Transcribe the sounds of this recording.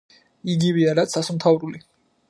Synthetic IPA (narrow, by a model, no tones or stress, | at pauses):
iɡiviaɾat̪sʰasumt̪ʰavɾuli